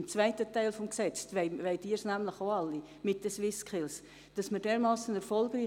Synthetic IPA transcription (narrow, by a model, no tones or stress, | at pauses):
mt͡svaɪtətaɪlfɔmksɛt͡sveɪveɪdiːəɾsnæmlɪχoɑlːi | mɪt̚d̥əsvɪskʰɪls | d̥ɑsmədeːɾmɑːsənɛɾfɔlɡɾiː